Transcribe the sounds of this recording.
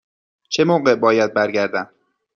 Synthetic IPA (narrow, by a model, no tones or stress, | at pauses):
t͡ʃʰe̞moːɢebɒːjæd̪̚bæɾɟæɾd̪æn